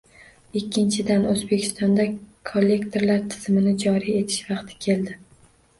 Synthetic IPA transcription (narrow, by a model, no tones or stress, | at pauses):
ɪkʲːɪnt͡ʃʰɪd̪anozbe̞kʲʰɪ̥st̪ɒnd̪akʰolʲːe̞kt̪ʰe̞ɾlaɾt̪ʰɪ̥z̥mɪnɪd͡ʒɒɾije̞t̪ʰɪ̥ʃvɑqt̪ʰɪ̥kʲʰe̞ld̪ɪ